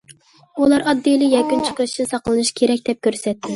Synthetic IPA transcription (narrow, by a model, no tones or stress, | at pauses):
ulˠɑɾɑd̪ːijlˠɪjɛkʲːynt͡ʃʰi̥qɨt͡ʃʰsɑqlˠɨnɨʃkʲʰeɾɛk̚ʲd̪ɛp̚kʲʰøɾsɛt̪ʰːɪ